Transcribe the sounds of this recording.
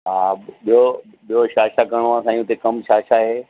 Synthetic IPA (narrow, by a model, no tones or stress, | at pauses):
ɦaːɓijo | ɓijoʃaːʃakɐɾɽ̃ʋãːsãːijũt̪ekɐmʃaːʃaɦeː